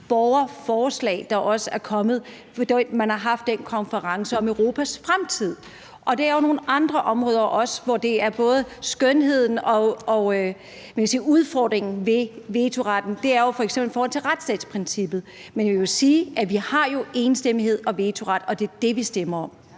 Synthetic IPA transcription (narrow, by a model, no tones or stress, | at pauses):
b̥ɒʊɐfɒːslɛ̰ːɪd̥ɑ̈ʔɒ̽səæɐkʰɒ̽mð̞̩ˠ | d̥emænhɑ̈ɦɑ̈fd̥enkʰɒ̽nfəʁɑ̈ŋsəɒ̽møʊʁo̝ːpʰæsfʁamt͡sʰið̞̰ˠ | ʔɒ̽d̥eæɐjono̝ːn̩ʔɑ̈nd̥ʁɐʔɒ̽mʁɔ̽ːðˠɐʔɒ̽sʋɒd̥e̝æɐb̥ɔ̽ːð̞̩ˠsɡ̥œnɦe̝ð̰ˠn̩ɒɒ̽ | esiːuð̞ˠfɒ̰ːd̥ʁeŋn̩ʋe̝ʋeːt͡sʰo̝ʁɑd̥n̩d̥e̝æɐjo̝fɒ̽eɡ̥semblifɒːhɒ̽l̰t͡sʰe̝ʁad̥sd̥ɛ̰ːd̥spʰʁɛnsib̥ð̞̩ˠmenjesiːʔæʋihɑ̈jo̝ʔe̝ːnsd̥em̰ihe̝ð̞̰ˠɒ̽ʋeːt͡sʰo̝ʁɑ̈d̥ɒ̽d̥e̝ɐd̥e̝ʋisd̥emɐɒ̽m